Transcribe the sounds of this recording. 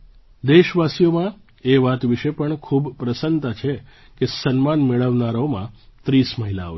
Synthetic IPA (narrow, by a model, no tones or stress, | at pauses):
d̪eʃʋasijomã | eʋat̪ʋiʃepəɳkʰubpɾəsənt̪at͡ʃʰe | kesənmanmeɭəʋnaɾomãt̪ɾisməɦila̰o̰